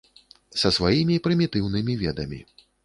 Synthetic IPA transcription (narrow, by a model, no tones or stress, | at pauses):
sɐsvajimʲipɾɨmʲit̪ɨwnɨmʲivʲɛd̪ɐmʲḭ